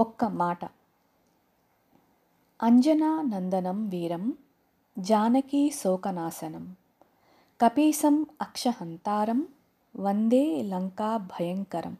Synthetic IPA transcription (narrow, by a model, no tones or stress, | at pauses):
ɔkːɐmaːʈɐ | ɐɲd͡ʒɐnaːnɐnd̪ɐnɐmʋiːɾɐm | d͡ʒaːnɐkiːsoːkɐnaːsɐnɐm | kɐpiːsɐmɐkʂɐɦɐnt̪aːɾɐm | ʋɐnd̪eːlɐŋkaːbʱɐjɐŋkɐɾɐ̰m